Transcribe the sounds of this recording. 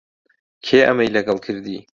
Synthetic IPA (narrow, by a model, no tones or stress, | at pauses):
kʰeːʔɐmɐjlɐɡɐlˠkʰɨɾd̪ḭː